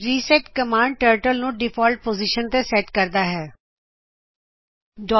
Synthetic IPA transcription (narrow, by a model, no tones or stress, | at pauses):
ɾiːsɛːʈkəmaːɳɖ̚ʈəːɾʈəlnũːɖɪpʰɔːlʈ̚poːziʃənt̪eːsɛːʈkəɾd̪aːɦɛː | ɖɔː